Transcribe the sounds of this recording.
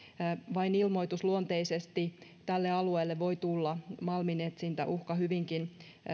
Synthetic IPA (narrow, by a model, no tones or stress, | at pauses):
ʋɑinilmoit̪usluont̪eisest̪it̪ælːeɑlueːlːeʋoit̪ulːɑmɑlminet̪sint̪æ̰ʔuhkɑhyʋiŋkin